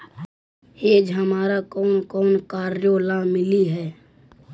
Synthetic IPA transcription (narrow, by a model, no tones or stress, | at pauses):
eːd͡ʒɦəmaːɾakɔːnkɔːnkaːɾjolãmɪliɦɛː